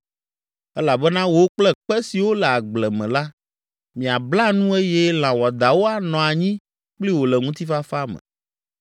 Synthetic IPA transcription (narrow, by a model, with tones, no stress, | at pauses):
ɛ˦la˨bɛ˦nã˦wo˦k͡plɛ˦k͡pɛ˦si˨wo˦lɛ˨a˨ɡ͡blɛ˨mɛ̃˨la˦ | mĩ˨a˨bla˦nũ˦e˦jɛ˦l̃ã˨wɔ˨d̪a˨wo˦a˨nɔ̃˨a˨ɲĩ˦ | k͡pli˦wo˨lɛ˨ŋũ˦t̪i˦fa˦fa˦mɛ̰̃˨